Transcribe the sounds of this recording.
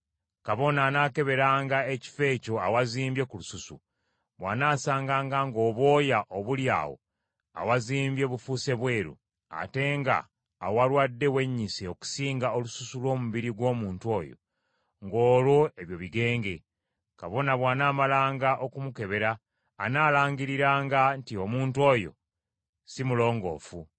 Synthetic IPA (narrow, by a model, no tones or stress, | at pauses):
kaβo̞nanaːke̞βe̞ɾaːŋɡae̞ci̥fe̞ːco̞awaziːmbje̞kulususṵ | βwaːnaːsaːŋɡaːŋɡaŋɡo̞ːβo̞ːjaʔoβulja̰ːwo̞̰ | a̰waziːmbje̞βufuse̞βwe̞ːɾṵ | a̰te̞ŋɡa̰ː | walwadːe̞we̞ɲːiseoku̥siːŋɡaolususulwo̞ːmuβiɾiɡwo̞ːmuːntuwo̞ːjo̞̰ | ŋɡo̞ːlwo̞e̞βjo̞βiɡe̞ːŋɡe̞ | kaβo̞naβwaːnaːmalaːŋɡaʔo̞kumuke̞βe̞ɾaː | naːlaːŋɡiɾiɾaːŋɡantio̞muːntwo̞ːjo̞̰ | simulo̞ːŋɡo̞̰ːfu